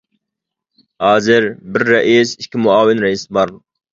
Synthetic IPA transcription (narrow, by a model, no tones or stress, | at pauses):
hɑːzɪɾbɪɾːɐʔisiʃkʲʰːimʊaːwɪnɾɐisbɑɾ